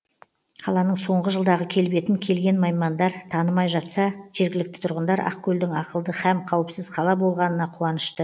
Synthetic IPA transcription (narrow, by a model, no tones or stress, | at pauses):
qʰɑlˠɑnəɴso̞ɴʁəʒəlˠd̪ɑʁəkʲʰe̞lbe̞t̪ɪŋkʲʰe̞lɡʲe̞nmɑjmɑnd̪ɑɾt̪ʰɑnəmɑjʒɑt̪sɑʒ̥e̞ɾɡʲɪlɪk̚t̪ɪ̥t̪ʰʊɾʁənd̪ɑɾɑ̰qkʲʰɵld̪ɪŋɑqəlˠd̪əhæmqʰɑwɪpsɪzqʰɑlˠɑbo̞lˠʁɑnənɑqʰuɑnəʃt̪ə